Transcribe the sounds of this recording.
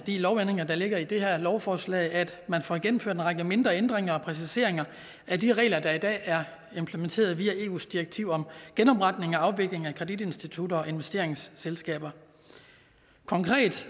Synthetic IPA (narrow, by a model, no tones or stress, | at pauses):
d̥ḭːlɒʊene̝ŋɐd̥ɑ̈le̝ɡ̥ɐid̥e̝ɦæɐ̰lɒʊfɒːslɛ̰ːɪæd̥mænfɒ̰ɡ̥enm̩føɐ̰denʁɑ̈ɡ̥əme̝nd̥ʁɐend̥ʁeŋɐɒ̽pʰʁɛs̬ise̝ɐe̝ŋɐ | ædiʁɛ̰ːlɐd̥ɑ̈id̥ɛ̰ːæɐ | e̝mpʰlement͡sʰe̝̰ːɐð̞̩ˠʋiːæe̝̰ːṵːsd̥iʁeɡ̥̚t͡sʰiʊ̰ɒ̽mɡ̥enɒ̽b̥ʁɑ̈d̥ne̝ŋɒ̽ɑ̈ʊʋe̝ɡ̥le̝ŋækʰʁɛd̥id̥e̝nsd̥it͡sʰud̥ɐɒ̽e̝nʋesd̥e̝ɐeŋsːelsɡ̥ɛ̰ːb̥ɐ | kʰɒ̽ŋkʰʁɛ̰ːd̥